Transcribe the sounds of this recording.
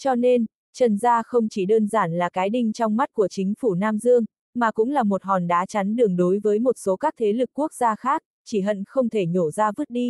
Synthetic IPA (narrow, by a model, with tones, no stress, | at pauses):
t͡ɕɔ˧ne˧n | t͡ɕə˨˩nzaː˧xə˧wŋ͡mt͡ɕi˧˩ɗəː˧nzaː˧˩nlaː˨˩kaː˨˦jɗï˧ŋ̟t͡ɕɔ˧wŋ͡mma˦˥t̚ku˧˩ət͡ɕï˨˦ŋ̟fu˧˩naː˧mzɨ˧əŋ | maː˨˩kʊ̰˧˥ŋ͡mlaː˨˩mo˨˩t̚hɔ˨˩nɗaː˨˦t͡ɕa˨˦nɗɨ˨˩əŋɗo˨˦jvəː˨˦jmo˨˩t̚so˨˦kaː˦˥k̚t̪ʰe˨˦lɨ˨˩k̚ːu˦˥ək̚z̥aː˧xaː˦˥k̚ | t͡ɕi˧˩ɦə̰˧˨nxə˧wŋ͡mt̪ʰe˧˩ɲo˧˩zaː˧vɨ˦˥t̚ɗi˧